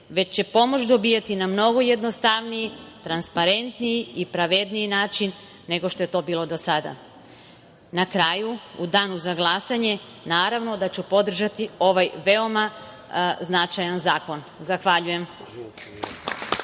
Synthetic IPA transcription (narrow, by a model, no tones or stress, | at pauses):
ʋe̞t͡ɕe̞po̞mo̞t͡ɕt͡ʃd̪o̞bijat̪inamno̞ɡo̞je̞d̪no̞st̪aʋnijit̪ɾanspaɾe̞nt̪nijiipɾaʋe̞d̪nijinaːt͡ʃinː | e̞ɡo̞ʃt̪o̞je̞t̪o̞ːbiːlˠo̞d̪osad̪a̰ | nakɾaːjuud̪aːnuzaɡlˠasaɲe̞ | naːɾaʋno̞d̪at͡ɕupo̞d̪r̩ʒat̪io̞ʋajʋeo̞ma | znat͡ʃajanzaːko̞n | zaxʋaʎuje̞m